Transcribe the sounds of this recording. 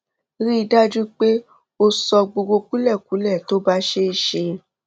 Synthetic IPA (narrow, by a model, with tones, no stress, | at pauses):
ɾi˦i˧da˦d͡ʒu˦k͡pe˦ | o˧sɔ˧ɡ͡bo˧ɡo˧ku˨˦lɛ˦˨ku˨˦lɛ˦˨to˦ba˦ʃe˦i˧˨ʃe˧